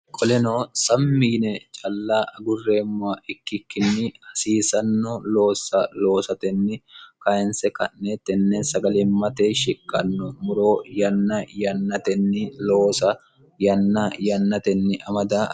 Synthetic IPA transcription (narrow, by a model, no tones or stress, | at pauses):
kʼɔlɛnoːsɐmːiːnɛt͡ʃʼɐlːaːʔɐɡʊrːe̞ːmːʊaʔɪkːɪkːɪnːɪɐsiːsɐnːolo̞ːsːɐlo̞ːsɐt̪ɛnːɪkɐɛnsɛkɐnːet̪ːɛnːɛnsɐɡɐlɛːmɐt̪eːʃɪkʼːɐnːɔmʊɾo̞ːjɐnːɐjɐnːɐt̪ɛnːɪloːsɐ | jɐnːɐjɐnːɐt̪ɛnːɪʔɐmɐd̪aː